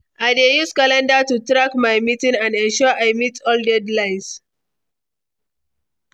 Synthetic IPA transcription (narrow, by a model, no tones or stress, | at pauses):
ʔaɪdejuskalɛ̃ndatutɹakmajmitĩŋãndɛ̃nʃɔʔajmitʰɔldɛdlãɪ̃ns